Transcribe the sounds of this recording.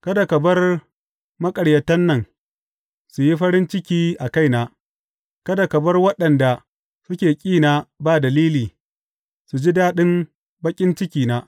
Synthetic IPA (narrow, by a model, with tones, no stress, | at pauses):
kɐ˦da˨kɐ˨bɐ˦r | mɐ˦kʼɐ˨ɽjɐ˨tɐ˦nːɐ˨ŋ | su˨ji˦ɸɐ˦ɾɪ˦nt͡ʃɪ˦kʲiː˦ʔa˨ka˦jnaː˦ | kɐ˦da˨kɐ˨bɐ˦rwɐ˦ɗɐ˨nda˨ | sʊ˦kʲeː˨kʲʼiː˦˨naː˦baː˦˨dɐ˨liː˦liː˨ | su˨d͡ʒi˦daː˦ɗɪ˦m | bɐ˦kʲʼɪ˦nt͡ʃɪ˦kʲiː˨naː˦